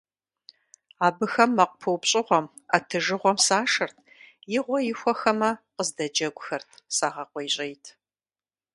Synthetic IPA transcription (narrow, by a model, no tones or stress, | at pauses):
aːbɨxɐmːɐqʷʊpʰɨwpɕʼɪʁʷɔm | atʰɨʒɨʁʷɔmsaːʂɐrtʰ | jɪʁʷɔjɪxʷɔxɐmɐqəzdɐd͡ʒɐɡʷʊxɐrtʰsaːʁɐqʷɔjɕʼejtʰ